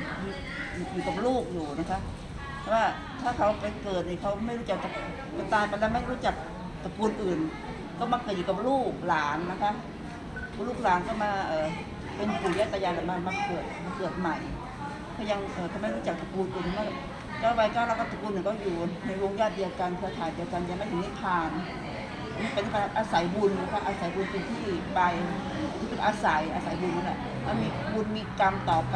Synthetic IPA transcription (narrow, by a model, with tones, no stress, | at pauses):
juː˨˩ka˨˩p̚luː˥˩k̚juː˨˩na˦˥kʰa˦˥ | t̪ɛː˧˩waː˥˩ | t̪ʰaː˥˩kʰa˧˥wpa˧jkɤː˨˩t̪̚ni˧˩kʰa˧˥˩wma˥˩jɾuː˦˥t͡ɕa˨˩k̚t̪ɛ˧˩ | ka˧˩t̪aː˧npa˧nlaː˧˩ma˥˩jɾuː˦˥t͡ɕa˨˩k̚ | t̪ʰa˨˧˩kuː˧nʔɯː˨˩n | kɔː˥˩ma˧˥kːjuː˨˩ka˨˩p̚luː˥˩k̚laː˨˦nːa˦˧˥kʰa˦˥pʰ | a˧˦luː˥˩k̚laː˨˦nkɔː˥˩maː˧ʔɤː˨˩ | pe˧n˧ku˨˩jaː˦˥˩t̪a˧jaː˧˩ŋla˨˩maː˧maː˧kɤ˨˩ət̪̚maː˧kɤː˨˩ət̪̚ma˨˩j | kʰɔː˥˩ja˧ŋʔɤː˨˩t̪ʰa˧mːha˥˩jɾuː˦˥t͡ɕa˨˩k̚t̪u˨˧˩k̚ːuː˧nkuː˨˩nʰ˨˦kɔ˥˩ | kaː˥˩waː˧jkaː˥˩wɾaː˥˩kɔː˥˩t̪ʰu˨˦k̚u˧nːi˨˩kɔ˥˩juː˨˩na˧jwoː˧ŋjɔː˥˩t̪̚di˧ə˧wka˧nkʰɯ˧t̪ʰaː˨˦di˧ə˧wka˧nja˨˧ŋma˥˩jt̪ʰɯ˨˦ni˦˥t̪ʰaː˧n | a˧niː˥˩pe˧nt̪ʰa˧ʔaː˧sa˨˦jbu˧nːaː˧˩˥kʰa˦˥˩ʔaː˧sa˨˦jbu˧npi˧ŋt̪ʰiː˥˩iː˨˩k̚pa˧j | t̪ʰːpnʔaː˧sa˨˩˦jʔaː˧sa˨˦jbu˧nu˧nʔa˨˩ | ma˧miː˧bu˧nmiː˧ka˧mt̪ɔː˨˩p̚